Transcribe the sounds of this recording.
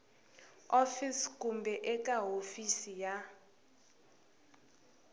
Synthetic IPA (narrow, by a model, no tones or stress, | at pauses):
ofiskʼumbʱɛʔɛkʼaɦofisija